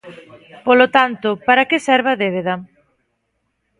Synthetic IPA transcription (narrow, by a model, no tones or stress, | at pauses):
polot̪ant̪ʊpaɾɐkesɛɾβɐðeβeðɐ